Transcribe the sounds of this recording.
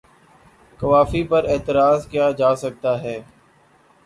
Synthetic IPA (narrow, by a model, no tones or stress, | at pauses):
kɐʋaːfipəɾeːt̪ɪɾaːzkjaːd͡ʒaːsɐk̚t̪aːɦɛː